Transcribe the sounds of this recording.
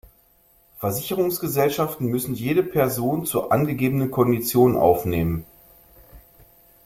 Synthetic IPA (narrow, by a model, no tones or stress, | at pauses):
fɛɐzɪçəʁʊŋsɡ̥əzɛlʃaftn̩mʏsn̩jeːɾəpʰɛɐzoːnt͡suːɐʔanɡəɡeːbənənkʰɔndit͡sjoːnənʔa̰ʊfneːmən